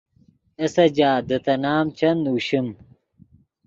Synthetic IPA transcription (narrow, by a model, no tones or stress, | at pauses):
esɐd͡ʑaːd̪ɐt̪ɐnaːmt͡ɕɐnuːɕim